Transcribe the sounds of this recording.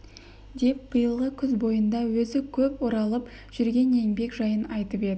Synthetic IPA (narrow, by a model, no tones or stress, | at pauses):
d̪e̞p̚b̥əjəlˠʁəkʲʰʏzbo̞jənd̪ɑwɵzɪkʲʰɵpwoɾɑlˠəp | ʒ̥ʏɾɡʲe̞ne̞ŋbe̞kʒɑjənɑjt̪əpe̞d̪ɪ